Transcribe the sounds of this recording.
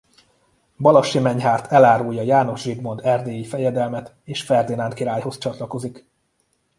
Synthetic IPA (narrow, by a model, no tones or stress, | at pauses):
bɒlɒʃimɛɲɦaːrt̪ʰɛlaːɾuːjɒjaːno̞ʒʒiɡmo̞nd̪ɛrd̪eːjifɛjɛd̪ɛlmɛt̪ | eːʃfɛrd̪inankiɾaːjho̞st͡ʃɒt̪lɒko̞zik